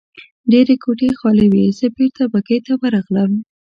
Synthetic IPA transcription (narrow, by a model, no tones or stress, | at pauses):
ɖeɾekʰoʈexɑlewizəbiɾt̪abakejt̪awəɾɑɣləm